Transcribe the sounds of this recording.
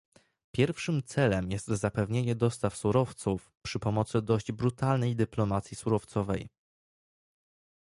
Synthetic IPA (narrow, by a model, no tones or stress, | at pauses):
pʲjɛɾfʂɘmt̪sɛlɛmjɛst̪zapɛvɲeɲɛd̪ɔst̪afsuɾɔft̪sufpʂɘpɔmɔt̪sɘd̪ɔʑd͡ʑbɾut̪alnɛjd̪ɘplɔmat̪sʲjisuɾɔft̪sɔvɛj